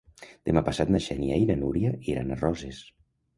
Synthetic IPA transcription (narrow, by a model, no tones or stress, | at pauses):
d̪̥emapasat̪naʃɛniejnənuɾjaiɾa̰narɔzes